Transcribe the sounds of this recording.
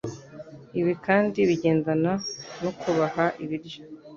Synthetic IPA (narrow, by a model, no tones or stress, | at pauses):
iβikaːndiβiɟe̞ːndananokʰuβahaʔiβiɾjo